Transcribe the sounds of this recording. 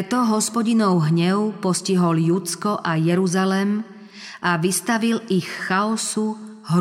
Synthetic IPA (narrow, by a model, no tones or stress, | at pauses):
ɛt̪ɔɦɔspɔɟinɔʊɦɲɛʊpɔsciɦɔljut͡skɔʔajɛɾuzalɛm | ʔaʋist̪aʋilixːaɔsu | ɦ